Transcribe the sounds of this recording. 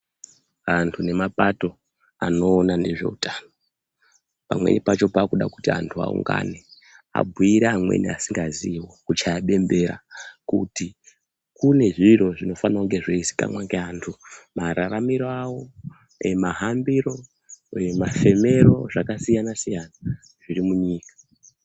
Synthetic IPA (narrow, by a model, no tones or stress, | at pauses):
antʰune̞mapato̞ | a̰no̞ːnane̞ʐe̞̰utaːno | pa̰mwe̞̰nipat͡ʃo̞paːkuɗaku̥tia̰ntʰua̰ṵŋɡa̰ne̞ | a̰bʱuiɾeamwḛniasiŋɡaziwokut͡ʃajaɓe̞mbe̞ɾa̰kuti | kune̞ʐiro̞ʐino̞fanaoŋɡe̞ʐoisi̥ka̰mwaŋɡeantʰumaɾaramiɾoawo̞ | emaɦambiɾo̞ | emafe̞me̞ɾo̞ʐakasijanasijana | ʐ̥iɾimuɲiːkḁ